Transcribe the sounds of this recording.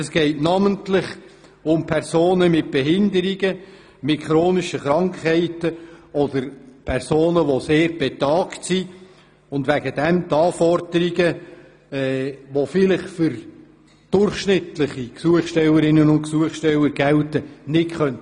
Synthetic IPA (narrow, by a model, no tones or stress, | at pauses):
ɛsɡ̥ɛɪtnɑməntlɪχ | ʊmpʰɛrsoːnəmɪt̚b̥ɛɦɪndəɾiɡə | mɪtχɾoːniʃəχɾɑŋkhɛɪtəɔdəɾpʰɛrsoːnəʋoseːɾb̥ɛt̪ɑːktsi | ʊndʋæɡəd̥ɛmt̪ɑːfɔrdəɾiɡə | ɛːʋofɪlɪχfʏɾ | d̥ʊrχʃnɪtlɪχiksuəχʃtɛləɾɪnənʊntksuəχʃtɛləɾɡɛltənɪtχœnt